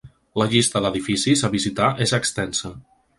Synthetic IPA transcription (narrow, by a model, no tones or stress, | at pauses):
ləʎist̪əðəðifisizəβizit̪aʔezəkst̪ɛnsə